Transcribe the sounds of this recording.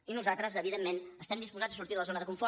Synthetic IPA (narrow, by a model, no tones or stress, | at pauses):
inuzat̪ɾəzəβiðemːenəst̪ɛmd̪ispuzad͡zəsuɾt̪iðələzonəðəkuɱfɔ